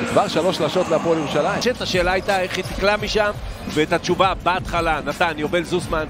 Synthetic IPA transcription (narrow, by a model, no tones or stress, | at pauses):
kvaʁʃalo̞ʃlaʃot̪leapoljeʁuʃalajiʃeet̪aʃe̞ːlaajtaeχhit̪iklamiʃamveːt̪at͡ʃuvabaat̪χalanat̪anjovelzusman